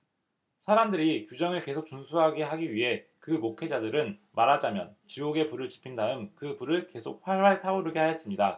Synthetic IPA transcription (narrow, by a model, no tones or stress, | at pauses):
sʰaɾamdɯɾikjud͡ʑʌŋɯɭke̞sʰok̚t͡ɕ͈unsʰuɦaɡeɦaɡiɥiɦe̞kɯmokʰe̞d͡ʑadɯɾɯnmaɾɦad͡ʑamjʌnt͡ɕioɡe̞puɾɯɭt͡ɕi̥pʰindaɯmkɯpuɾɯɭke̞sʰok̚ɸwaɭwaɭtʰaoɾɯɡehajes͈ɯmɲida